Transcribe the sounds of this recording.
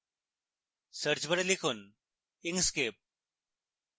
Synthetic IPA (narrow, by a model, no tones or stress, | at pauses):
səɾt͡ʃbəɽelikʰuːn | iŋɡskep̚